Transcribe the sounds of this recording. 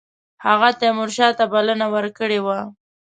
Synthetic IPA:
haɣat̪emʊɾʃɑt̪abalənawəɾkəɽewa

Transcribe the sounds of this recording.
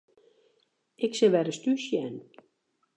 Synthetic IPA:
ɪksɪʋɛɾəstyʃjɛn

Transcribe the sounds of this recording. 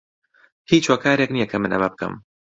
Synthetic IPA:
hiːt͡ʃwɐkʰaːɾeknijɛkʰɐmɨnɐ̰mɐbɨkʰɨ̰m

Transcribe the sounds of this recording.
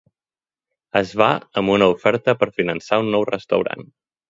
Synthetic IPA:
əzβaəmbunəufɛɾt̪əpəɾfinənsaunːɔwrəst̪əwɾa̰n

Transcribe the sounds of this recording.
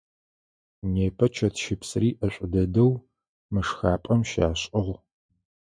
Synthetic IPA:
neːpʰɐt͡ʃʰɐtʰʃɪpsriːʔɐɕʷʼʊdɐdɐw | mɨʂxaːpʼɐmʃaːɕʼɨʁ

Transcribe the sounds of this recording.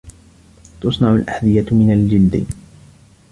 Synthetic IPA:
t̪ʊsˤnɑʕʊlʔaħd̪ɪjamɪnald͡ʒɪld̪ɪ̰

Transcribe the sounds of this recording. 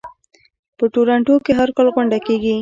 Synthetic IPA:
pəʈoɾaɳʈokeɦaɾkalɣʊɳɖakeɡi

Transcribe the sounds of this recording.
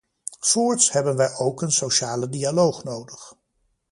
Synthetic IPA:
fʊːɹtshɛbənʋɛjʔowkənsowʃaːlədialowχnowdəχ

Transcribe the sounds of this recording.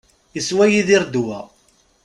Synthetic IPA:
əswæjiðiɾd̪uwæ̰

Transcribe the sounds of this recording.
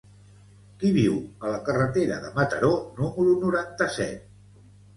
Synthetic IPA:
kiβiwələkərət̪eɾəðəmət̪əɾonuməɾunuɾant̪əsɛ̰t̪̚

